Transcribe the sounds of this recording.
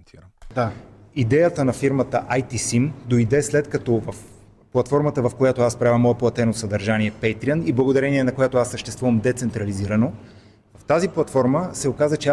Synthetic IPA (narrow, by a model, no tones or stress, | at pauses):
nt̪ʰiɾd̪a | id̪ɛjət̪ənɐfiɾmət̪əʔajt̪isimd̪oid̪ɛslɛt̪kɐt̪ɔvɐf | pːlˠɐt̪fɔɾmət̪əvɐfkojat̪oaspɾavʲɐmːɔɛplˠɐt̪ɛnosɐd̪ɐɾʒaniɛpɛjt̪ɾiəniblˠɐɡod̪ɐɾɛniɛnɐkojat̪oasːəʃt̪ɛst̪vuvəmd̪ɛt̪sɛnt̪ɾɐliziɾəno | vɐft̪aziplˠɐt̪fɔɾməsɛokazət͡ʃɛa